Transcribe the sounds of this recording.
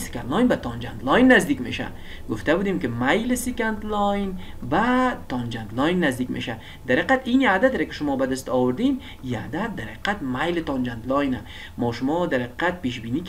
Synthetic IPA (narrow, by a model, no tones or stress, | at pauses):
si̥kant̪lɔjnbat̪ʰɒnd͡ʒant̪lɔjnːazd̪ikʲmḛʃa̰ | ɡʊft̪abud̪imkɪmajlɪsikant̪lɔjnvat̪ʰɔnd͡ʒant̪lɔjnːazd̪ikʲmḛʃa | d̪aɾeqat̪inad̪at̪ɾakɪ̥ʃʊmɔbad̪ɪst̪ɔwʊɾd̪in | iad̪at̪̚d̪aɾhḁqat̪majlɪt̪ɔnd͡ʒant̪lɔjna | mɔːʃʊmɔd̪aɾhaqi̥qat̪̚peʃbinik